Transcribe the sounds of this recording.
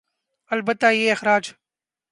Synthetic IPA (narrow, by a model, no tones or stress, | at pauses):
əlbət̪ːaːjeːɪxɾaːd͡ʒ